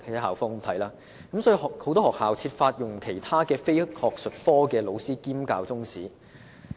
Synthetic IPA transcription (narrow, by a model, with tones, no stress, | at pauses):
ɐ˥ɦaː˨wfɔː˥ŋt̪ʰɐ˨˥jlaː˧ | kɐ˨msɔ˨˥i˧hːho˨˧wt̪ɔː˥hɔː˨k̚haː˨˩wt͡sʰiː˧t̚faː˧t̚jʊ˨˩ŋkʰe˨˩jt̪ʰaː˥kɛː˧fe˥jk̚hɔː˨k̚sɵ˨t̚fɔː˥kɛː˧lo˨˧wsiː˥kiː˥mkaː˧wt͡sʊ˥ŋsiː˨˥